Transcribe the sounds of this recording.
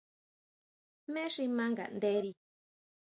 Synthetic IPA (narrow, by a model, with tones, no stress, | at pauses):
mẽ˦ʂi˧mã˦ŋɡa̰˨nd̪e˦ɾi˧